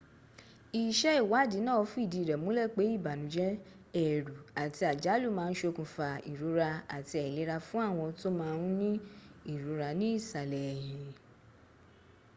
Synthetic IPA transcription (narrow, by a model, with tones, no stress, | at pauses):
i˨ʃɛ˦i˦˨wa˨˦˨di˨˦nãː˦˨ɔ˧˦fu˦i˦˨di˧˦˨ɾɛ˨mũ˨˦lɛ˦˨k͡pe˨˦i˦˨ba˨nũ˨˦d͡ʒɛ˦ | ɛ˨ɾu˨a˨ti˧a˨d͡ʒa˨˦lu˦˨mãː˦˧n̩˦ʃo˧kũ˨fa˧i˨ɾu˨˦ɾa˧a˨ti˧ɛ˨le˨˦ɾa˧fũ˦a˦˨w̃ɔ̃˧to˦mãː˦˧ũ˦nĩ˦i˦˨ɾu˨˦ɾa˧nĩ˦i˦˨sa˨lɛ˨jĩ˧